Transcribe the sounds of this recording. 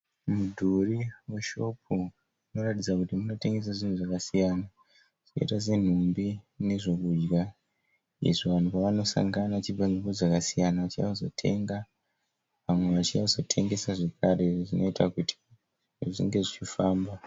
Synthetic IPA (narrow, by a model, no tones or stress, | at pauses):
mudʱuriweʃo̞p̚ʰu | uino̞ratid͡zakutimuno̞te̞ŋɡe̞s̬aʐin̤uʐakasijana | ʐino̞̰itas̬e̞n̤umbine̞ʐo̞kud͡ʒɡa | ḭʐiʋan̤upaʋano̞sa̰ŋɡanat͡ʃibanimod͡zakasijanaʋat͡ʃiazo̞̰tʰe̞̰ŋɡa | ʋamwe̞ʋat͡ʃiazo̞tʰe̞ŋɡe̞saʐe̞kʰare̞ʐino̞itakutʰi̥ | ʐḭŋɡe̞ʐit͡ʃifaːmba